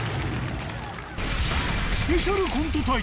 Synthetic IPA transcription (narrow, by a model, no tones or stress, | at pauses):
siʃoɾuɡʱumt̪ut̪ʰoj